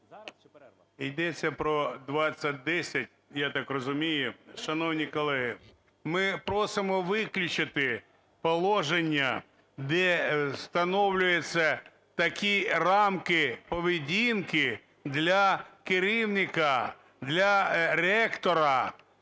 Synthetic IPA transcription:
ijd̪ɛt͡sʲːɐpɾɔd̪ʋɑt͡sʲːɐt̚ʲd̪ɛsʲɐtʲ | jat̪ɑkrɔzʊmʲijʊʃɐnɔwnʲikɔlˠɛɦɪ | mɪpɾɔsɪmɔʋɪklʲʊt͡ʃɪt̪ɪ | pɔlˠɔʒenʲːɐ | d̪ɛst̪ɐnɔwlʲʊjet͡sʲːɐ | t̪ɐkʲirɑmkɪpɔʋʲidʲinkɪ | d̪lʲɐkɪɾiwnʲɪkɐ | d̪lʲɐrɛkt̪ɔɾɐ

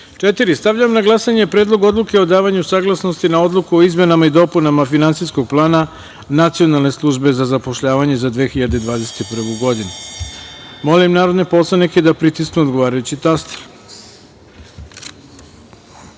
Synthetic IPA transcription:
t͡ʂet̪iɾist̪aʋʎamnaɡlˠasaɲepɾed̪lˠo̞ɡo̞d̪lˠuke̞o̞d̪aːʋaɲusaːɡlˠasno̞st̪inao̞d̪lˠukuoizme̞namaid̪o̞punamafinant̪sisko̞ɡ̚plˠaːna | nat̪sijo̞nalˠne̞slˠuʒbe̞zazapo̞ʃʎaːʋaɲe̞zad̪ʋe̞xiʎad̪ed̪ʋaːd̪e̞se̞̥t̪ipr̩ʋuɡo̞d̪inu | mo̞limnaːɾo̞d̪ne̞po̞sanike̞d̪apɾit̪isknuo̞d̪ɡo̞ʋaːɾajut͡ɕit̪ast̪e̥ɾ

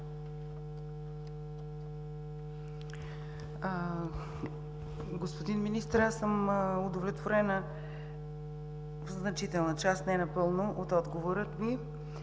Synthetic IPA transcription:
ɡospod̪inminist̪əɾasːəmʊd̪ovlɛt̪voɾɛnə | vznɐt͡ʃit̪ɛlˠnət͡ʃast̪nɛnɐpɤlˠnoʔot̪ɔd̪ɡovoɾət̪mi

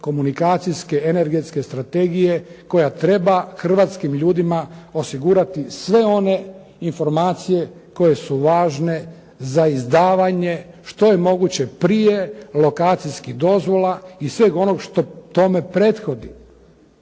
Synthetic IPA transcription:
ko̞munikaːt̪sijske̞ene̞ɾɡe̞t̪ske̞st̪ɾat̪e̞ɡije̞ko̞jat̪ɾe̞baxr̩ʋat̪skimʎuːd̪imao̞siɡuːɾat̪isʋe̞o̞ne̞ | info̞ɾmaːt̪sije̞ko̞je̞suʋaːʒne̞ | zaizd̪aːʋaɲe̞ | ʃt̪o̞je̞mo̞ɡut͡ɕe̞pɾije̞lo̞kaːt̪sijskihd̪o̞zʋo̞lˠaisʋe̞ɡo̞no̞ɡʃt̪o̞t̪o̞me̞pɾet̪xo̞d̪i

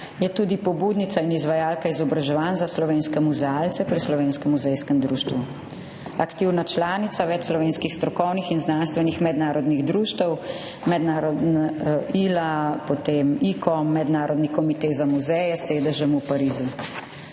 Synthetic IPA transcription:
jɛt̪uːd̪ipɔbud̪nit̪sainizʋajaːlkaizɔbɾaʒɛʋaːnzaslɔʋeːnskɛmuzɛaːlt̪sɛpɾislɔʋeːnskɛmːuzɛjskəmd̪ɾuːʃt̪ʋu | akt̪iwnat͡ʃlaːnit̪saʋɛt͡ʃslɔʋeːnskixst̪ɾɔkɔwnixinznaːnst̪ʋɛnixmɛd̪naːɾɔd̪niɣd̪ɾuːʃt̪əw | mɛd̪naːɾɔd̪naiːlapɔt̪eːmikɔmːɛd̪naːɾɔd̪nikɔmit̪eːzamuzɛjɛseːd̪əʒɛmupaɾiːzu

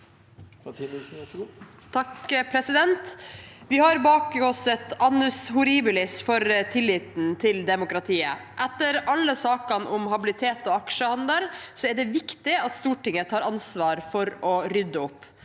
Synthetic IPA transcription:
t̪ʰɑkpʰɾɛsɪd̪ɛnt̪ʋɪhɑɾbɑːkɡɔsət̪ɑnːʉshʊɾiːbɪlɪsfɔɾt̪ʰɪlːiːt̪n̩t̪ʰɪld̪ɛmʊkɾɑt̪ʰiːə̰ʔɛt̪ːəɾɑlːəsɑːkɑnʔʊmhɑbɪlɪt̪ʰeːt̪oːɑkʂəhɑnd̪əlsɔɛɖɛʋɪkt̪ɪɑt̪st̪uːʈɪŋət̪ʰɑːɾɑnsʋɑːɾfɔɾɔɾʏd̪ːəʊpː

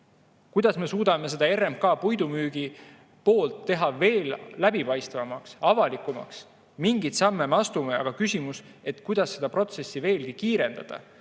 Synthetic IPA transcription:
kujd̪̥ɑsme̞suːd̪̥ɑme̞s̬e̞d̪̥ɑe̞rempkɑːpujd̪umyːɡ̥i | po̞ːlt̪ːe̞ɦɑve̞ːllæb̥ipɑjst̪vɑmɑksɑvɑlikˑumɑ̰ks | miŋɡit̪sɑmːemeɑst̪umeɑ̰ɡ̥ɑkysʲimus | e̞t̪kujd̪̥ɑsːe̞d̪̥ɑpro̞t̪se̞sːive̞ːlɡikiːɾe̞nd̪ɑ̰d̪̥ɑ̰

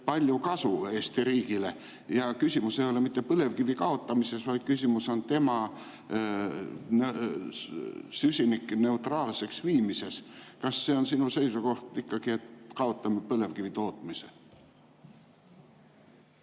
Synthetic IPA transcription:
pɑlʲjukɑsueːst̪iɾiːkile̞ | jɑkysʲimusejo̞lemit̪ːe̞pɤle̞vkivikɑo̞t̪ːˑɑmise̞svɑjd̪̥kysʲimuso̞nt̪e̞mɑ | ne | sysʲinikːne̞ut̪rɑːlse̞ksviːmise̞skɑsːe̞onsinuse̞jsuko̞ht̪ikːɑɡ̥iet̪kɑo̞t̪ːˑɑmpɤle̞vkivit̪o̞ːt̪ˑmise

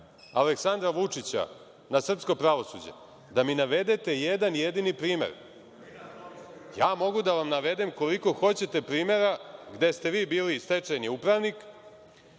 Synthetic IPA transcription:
aleksand̪ɾaʋut͡ʂit͡ɕa̰ | nasr̩psko̞pɾaʋo̞sṵd͡ʑḛ | d̪aminaʋe̞d̪et̪e̞jed̪anjed̪inipɾiːme̞̰ɾ | jaːmo̞ɡud̪aʋamnaʋe̞d̪emko̞liko̞xo̞t͡ɕe̞t̪e̞pɾiːme̞ɾaɡd̪e̞st̪e̞ʋiːbiːlist̪et͡ʃeneupɾaʋnik

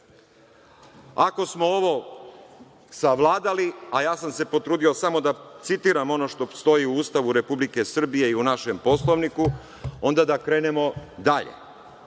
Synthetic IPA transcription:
ako̞smo̞o̞ʋo̞ | saʋlˠaːd̪aliajaːsamse̞po̞t̪ɾuːd̪io̞samo̞d̪at̪sit̪iːɾamo̞no̞ʃt̪o̞st̪o̞jiuuːst̪aʋuɾe̞publike̞sr̩bije̞iunaʃe̞mpo̞slˠo̞ʋniku | o̞nd̪ad̪akɾe̞ːne̞mo̞d̪aʎḛ

